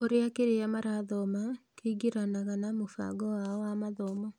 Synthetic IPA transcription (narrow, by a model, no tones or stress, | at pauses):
oɾeakeɾeamaɾaðɔmakeiɡeɾanaɣanamofa̰ɡɔwaɔwamaðɔma